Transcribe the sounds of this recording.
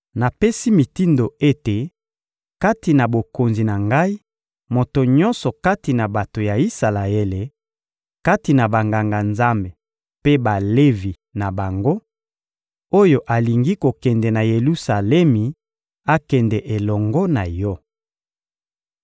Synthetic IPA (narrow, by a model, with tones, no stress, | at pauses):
na˨pe˦si˦mi˨ti˦ndo˨e˦te˨ | ka˦ti˨na˨bo˨ko˨nzi˨na˨ŋɡa˦i˦ | mo˨to˨ɲɔ̃˦nsɔ˨ka˦ti˨na˨ba˨to˨ja˨i˦sa˨la˨e˦le˨ | ka˦ti˨na˨ba˨ŋɡa˨ŋɡa˨nza˦mbe˨ | pe˦ba˨le˦vi˨ | na˨ba˨ŋɡo˦ | o˦jo˨ʔa˨li˨ŋɡi˦ko˨kɛ˨ndɛ˨na˨je˨lu˦sa˨lɛ˦mi˨ | a˦kɛ˨ndɛ˨ʔe˨lɔ˨ŋɡɔ˦na˨jɔ˦